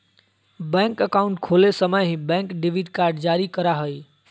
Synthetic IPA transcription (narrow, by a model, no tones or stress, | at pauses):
bɛ̃ːŋkəkaʊ̃ɳʈkʰoːlesəməjɦĩbɛ̃ːŋkɖɪʋiɖkaːɾɖd͡ʑaːɾikɐɾaɦoiː